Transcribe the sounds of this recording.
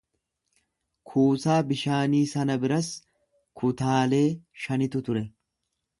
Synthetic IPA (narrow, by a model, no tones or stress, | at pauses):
kʰuːsaːbɪʃaːniːsɐnɐbɪɾɐs | kʰʊt̪aːle̞ːʃɐnɪt̪ʊt̪ʊɾɛ